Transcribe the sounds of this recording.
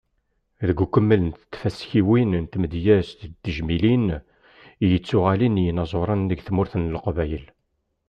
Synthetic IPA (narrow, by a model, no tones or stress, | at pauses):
ðəɡʷukʷːəmːələnt̪t̪ːfæsçiwinnt̪məd̪jæst̪d̪əʒmilin | jət͡sːʊʁælinjənɑzˤoɾˤɑnðəɡθmʊɾθənlqvæjəl